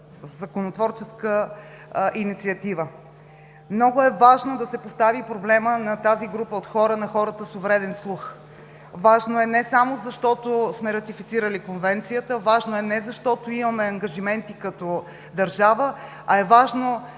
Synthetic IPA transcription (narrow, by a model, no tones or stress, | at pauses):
zɐkonot̪vɔɾt͡ʃɛskə | ʔinit̪siɐt̪ivə | mnɔɡʊɛvaʒnod̪ɐsɛpost̪avipɾoblɛmənɐt̪aziɡɾupəot̪xɔɾənɐxɔɾət̪əsovɾɛd̪ɛnslˠux | vaʒnoɛnɛsamozɐʃt̪ɔt̪osmɛɾɐt̪ifit̪siɾəlikonvɛnt̪sijət̪əvaʒnoɛnɛzɐʃt̪ɔt̪oimɐmɛɐŋɡɐʒimɛnt̪ikɐt̪o | d̪ɐɾʒavə | ɐɛvaʒno